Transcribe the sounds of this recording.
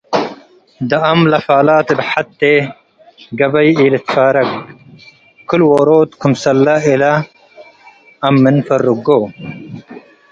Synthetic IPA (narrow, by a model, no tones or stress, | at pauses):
d̪ɐɐmlɐfaːlaːt̪ebħɐt̪ːe | ɡɐbɐjiːlit̪faːɾɐk | kʰulwoːɾoːt̪kʰumsɐlːaila | mːinfɐɾːuɡoː